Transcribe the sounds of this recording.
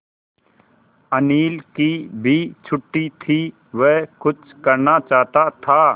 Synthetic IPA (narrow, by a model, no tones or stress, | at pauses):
əniːlkibʱit͡ʃʰʊʈːit̪ʰi | ʋɛɦkʊt͡ʃkəɾnat͡ʃaːɦt̪at̪ʰa